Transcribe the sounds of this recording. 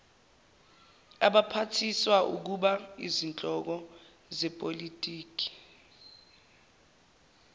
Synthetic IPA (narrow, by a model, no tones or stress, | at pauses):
aɓapʰatʰiswaʔṵk̬uɓaḭzint͡ɬʼɔk̬ɔ | zɛpʼolitʼiːk̬i̥